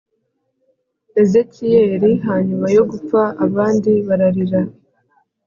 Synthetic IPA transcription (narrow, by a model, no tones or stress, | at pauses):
e̞ze̞kije̞ːɾiɦaːɲumajo̞ɡup͡faʔːβaːndiβaɾaɾiɾa